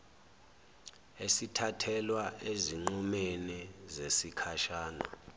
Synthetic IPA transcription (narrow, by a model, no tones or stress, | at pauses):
esitʰatʰɛlwaeziŋ͡ǃumenizesikʰaʃaːna̰